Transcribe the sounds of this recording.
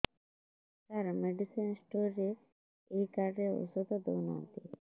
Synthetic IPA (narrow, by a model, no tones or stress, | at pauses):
kaɾmeɖisinsʈuɾːe | ejkaɾɾeṵsod̪ɔd̪onɔ̰nt̪i